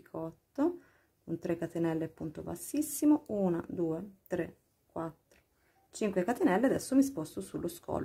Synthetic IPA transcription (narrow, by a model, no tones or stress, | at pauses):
kʰɔt̪ːo | kont̪ɾekːat̪enɛlːeapːunt̪o̰ba̰sːisːimouːna̰d̪uːet̪ɾe | kwat̪ːɾo̥ | t͡ʃiŋkwekat̪enɛlːead̪ɛsːomis̬pɔst̪osulːoskɔ̰ːl